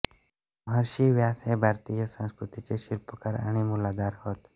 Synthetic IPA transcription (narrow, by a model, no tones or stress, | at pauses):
bʱəɾʃiʋjaːsebʱaːɾt̪ijəsə̃nskɾʊt̪it͡ʃeʃɪlpəkəɾə̰ɽ̃imʊlaːd̪aːɾhoːt̪